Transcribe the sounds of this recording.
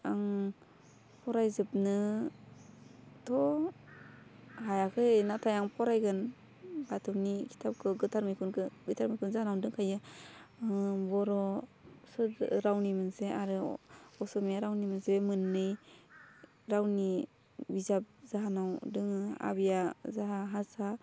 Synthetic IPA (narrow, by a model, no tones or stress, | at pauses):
aŋ | pʰɔɾajzɯp̚nɯ | tʰɔ | hajakʰɯenatʰajaŋpʰɔɾajɡɯn | batʰɯwnikʰi̥tʰap̚kʰɯɡɯtʰaɾmɯjkʰunkɯɡɯtʰaɾmɯjkʰunzanawdɯŋkʰajɯ | bɔɾɔsɯɾɾawnimɯnseaɾɯɔsɔmejaɾawnimɯnsemɯnːɯj | ɾawni | bizap̚zaɦanawdɯŋa̰bijazaɦaɦasa